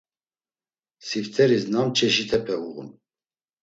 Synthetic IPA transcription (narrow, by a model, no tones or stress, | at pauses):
sift̪ʰɛɾisnamt͡ʃʰɛʃit̪ʰɛpʰɛuɣṵn